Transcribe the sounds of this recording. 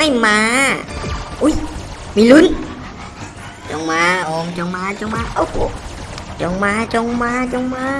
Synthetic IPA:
a˥˩jmaː˧˦ | ʔu˧˦˥j | miː˧lu˧˥n | t͡ɕɔ˧ŋmaː˧ʔɔː˨˧ŋt͡ɕɔ˧ŋmaː˧t͡ɕo˧ŋmaː˧˥ʔa˧˩ko̰˨˩ | t͡ɕɔ˧ŋmaː˧˥t͡ɕɔ˧ŋmaː˧˥t͡ɕɔ˧ŋmaː˧˦

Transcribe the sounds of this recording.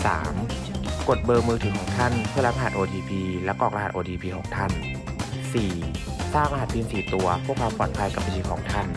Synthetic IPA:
sa̰ː˩˦m | ko˨˩t̪̚bɤː˧mɯː˧t̪ʰɯː˩˦kʰɔː˩˦ŋt̪ʰa˥˩npʰɯ˥˩ɐla˦˥ʔa˧ɦa˨˩ʔoː˧diː˧pʰiː˧lɛ˦˥kɔː˨˩k̚la˧ha˨˩ʔoː˧diː˧pʰiː˧kʰɔː˩˦ŋt̪ʰa˥˩n | siː˨˩ | saː˥˩ŋʔa˧ɦa˨˩t̪̚ʰːiː˧nsiː˨˩t̪u˧ɐpʰu˥˩ək̚ʰa˧wpɔː˨˩n̚pʰa˧˥jka˨˧pʰːa˧t̪ʰiː˧˩kʰɔː˩˦ŋt̪ʰa˥˩n

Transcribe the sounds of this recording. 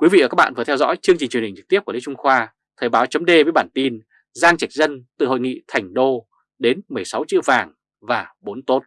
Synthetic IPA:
kwi˨˦vḭː˧˨˧kaː˦˥k̚ɓ̰a̰ː˧nvɨ˨˩t̪ʰɛ˧wzɔ̰˧˥jt͡ɕɨ˧əŋt͡ɕï˨˩ŋt͡ɕwhi̟˨˩t͡ɕɨ˨˩t̪i˦˥əku˧˩˨ḭ˧˥˦t͡ɕʊ˧ŋ͡mxwaː˧ | t̪ʰəː˨˩ɓaː˨˦wt͡ɕə˨˦ŋ͡mɗe˧və˨˦jɓaː˧˩nt̪i˧n | zaː˧ŋt͡ɕa˨˩k̟̚zə˧nt̪ɨ̰˧˨ho̰˧˨jŋḭ˧˨t̪ʰa˨˩jŋ̟ɗo˧ | ɗe˨˦nmɨ˨˩əjsa˨˦wt͡ɕɨ̰˧˨əwvaː˨˩ŋ | vaː˨˩ɓo˨˦nt̪o˦˥t̚

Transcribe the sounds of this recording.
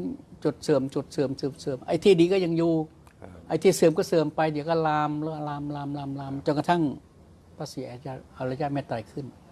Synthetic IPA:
t͡ɕo˨˩t̪̚sɤː˨˩mt͡ɕo˨˩t̪̚sɤː˨˩˦msɤː˨˩msɤː˨˦mʔa̰˧jt̪ʰiː˧˩diː˧kɔ˥˩ja˧ŋjuː˧ | ʔa˧jt̪ʰiː˧˩sɯː˨˦mkɔː˥˩sɤː˨˩mpa˧jdi˨˦wkɔː˥˩laː˧mlːlaː˧mlaː˧mlaː˧mlaː˧mt͡ɕo˧nka˧t̪ʰa˥˩ŋ | pʰaː˧˥˩siː˨˦ʔa˧ja˧˩ʔa˧˩laː˧˦jaː˧˩meː˧˥t̪ːaː˨˩jkʰɯ˧˥˩n

